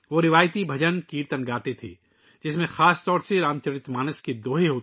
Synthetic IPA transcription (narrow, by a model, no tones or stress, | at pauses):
ʋoɾɪʋaːjt̪ibʱɐd͡ʒənkiːɾt̪ənɡaːt̪et̪ʰḛː | d͡ʒɪsmẽxaːst̪ɔːɾseɾaːmt͡ʃəɾɪt̪maːnəsked̪oːɦeɦoːt̪